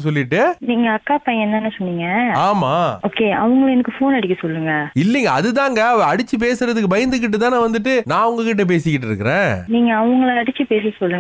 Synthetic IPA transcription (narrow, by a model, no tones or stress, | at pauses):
sɔlːɪʈːɯniːŋɡɐːkːaːpɐjɛnːɐnːɐsɔnːiːŋɡɐaːmaːoːkeːɐ̰ʋʊŋɡɐɭɛnɐkːɯfoːnɐɽɪkːɐsɔlːɯŋɡɐɪlːɪŋɡɐɐðɯt̪aːŋɡɐɐʋɐ̃ɐɽɪt͡ʃːɯp̬eːsɯɾɐðɯk̬ːɯbɐjɐnd̪ɯk̬ːɪʈ̬ːɯt̪ãːnãːʋɐnd̪ɯʈːɯnãːɐʋɐŋɡɐkɪʈ̬ːɐp̬eːsɪkːɪʈ̬ːɪɾɯ̰kːɪɾḛ̃ːniːŋɡɐːʋʊŋɡɐɭɐɽɪt͡ʃːɯpeːs̬isɔlːɯŋ